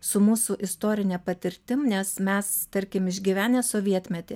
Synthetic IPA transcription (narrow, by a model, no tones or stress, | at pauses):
sʊmuːsuʔɪst̪oːɾʲɪnʲɛpɐt̪ʲɪɾʲt̪ʲɪmnʲɛsmʲɛst̪ɐɾʲkʲɪmɪʒʲɡʲiːʋʲæːnʲɛːsoːʋʲiɛt̪ʲmʲɛt̪ʲeː